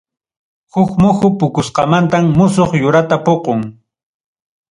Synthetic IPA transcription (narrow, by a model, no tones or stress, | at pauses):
hʊkmʊxʊpʊkʊsqɑmant̪amːʊsoχjʊɾat̪apoqoŋ